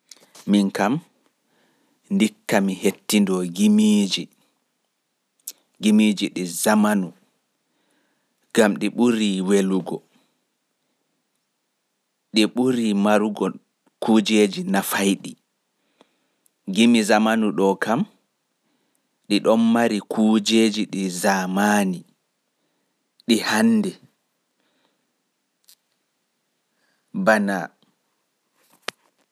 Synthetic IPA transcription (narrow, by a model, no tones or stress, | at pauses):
minkam | ndikːamihetːindɔɡimid͡ʒi | ɡimid͡ʒiɗizamanu | ɡ̥amɗiɓuɾiweluɡɔ | ɗiɓuɾimaɾuɡɔ | kʰud͡ʒed͡ʒinafajɗi | ɡimizamanuɗɔkam | ɗiɗɔnːaɾikʰuːd͡ʒed͡ʒiɗizamaːni | ɗihanːdɛ | bana